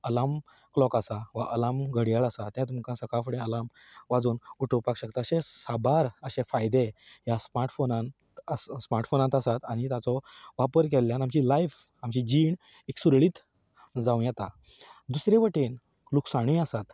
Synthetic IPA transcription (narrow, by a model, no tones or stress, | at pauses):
əlam | klɔkasaʋaʔəlamɡʱəɽjəɭasat̪ːjãt̪̬umkãsəkafɽẽəlam | ʋad͡zuːnuʈʰəpakɕəkt̪aəɕẽsabaɾəɕefajd̪eɦjasmaɾʈfonãntt̪əssmaɾʈfonãnt̪asat̪aɽ̃it̪jat͡sɔʋapəɾk̬elːjanamt͡ɕilaif | amt͡ɕid͡ʑiːɳ | eksuɾɭiːt̪ | d͡zaũjɛt̪a | d̪usɾeʋəʈen | luksaɽ̃iasat̪